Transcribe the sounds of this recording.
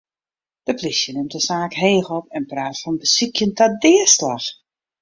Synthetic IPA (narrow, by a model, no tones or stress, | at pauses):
d̥əplisjənɪmtəsaːkɦeːxɔpɛnpraːtfɔnbəsikʰjəntadɪːəslax